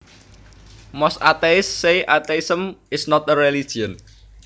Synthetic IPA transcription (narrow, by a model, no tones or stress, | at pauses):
mɔsa̰t̪eɪsːejʔat̪eisəmɪsnɔt̪əɾɛlid͡ʒiən